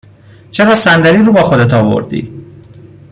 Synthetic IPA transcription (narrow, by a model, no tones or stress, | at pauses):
t͡ʃʰeɾɒːsænd̪æɾiːɾuːbɒːxod̪et̪ʰɒːvo̞̰ɾd̪ḭː